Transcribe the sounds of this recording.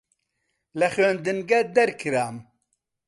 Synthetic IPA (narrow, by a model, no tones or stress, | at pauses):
lɛxend̪ɨnɡɛd̪ɛɾkʰɨɾaːm